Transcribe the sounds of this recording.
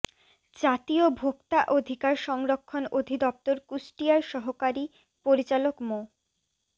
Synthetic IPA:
d͡ʑat̪iobʱokt̪aʔod̪ʱikaɾʃɔŋɾokʰːonod̪ʱid̪ɔp̚t̪oɾkusʈijaɾʃɔɦokaɾi | poɾit͡ɕalokmo

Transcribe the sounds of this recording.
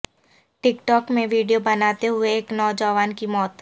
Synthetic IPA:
ʈɪkʈɔːkmẽʋiːɖijobɐnaːt̪eɦʊeːknɔːd͡ʒəʋaːnkimɔːt̪

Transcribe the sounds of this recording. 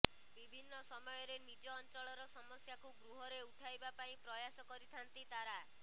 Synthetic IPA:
bibʱinːɔsɔmɔjɔɾenid͡ʒɔːnt͡ʃɔɭɔɾɔsɔmɔsjakuɡɾuɦɔɾeuʈʰajbapaĩpɾɔjasɔkɔɾit̪ʰant̪it̪aɾa

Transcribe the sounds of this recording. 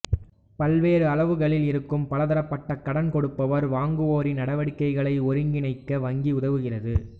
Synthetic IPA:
pɐlʋeːɾɯɐlɐʋɯɣɐɭɪlɪɾɯkːɯmpɐlɐðɐɾɐpːɐʈːɐkːɐɽɐnkɔɽɯpːɐʋɐɾʋaːŋɡɯoːɾinɐɽɐʋɐɽɪkːɐɪɣɐɭɐɪɔɾɯŋɡɪnɐɪkːɐʋɐŋɡiʊðɐʋɯɣɪrɐðɯ

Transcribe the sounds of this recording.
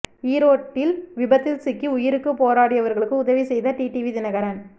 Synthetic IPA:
iːɾoːʈːɪlʋɪbɐt̪ːɪlsɪkːiʊjɪɾɯkːɯpoːɾaːɽɪjɐʋɐɾɣɐɭɯkːɯʊðɐʋisɛjðɐʈiːʈiʋiðɪnɐɣɐɾɐn

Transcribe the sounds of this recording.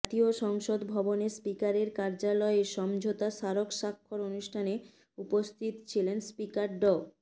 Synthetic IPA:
t̪ioʃɔŋʃod̪bʱɔbonespikaɾeɾkaɾd͡ʑalɔeeʃɔmd͡ʑʱot̪aʃaɾokʃakʰːoɾonuʃʈʰane | upost̪ʰit̪t͡ɕʰilenspikaɾɖɔ

